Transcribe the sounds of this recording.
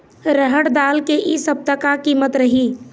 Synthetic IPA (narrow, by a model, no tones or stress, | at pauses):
ɾəɦəʈd̪aːlkeʔisəb̚t̪əkakiːmət̪ɾəɦiː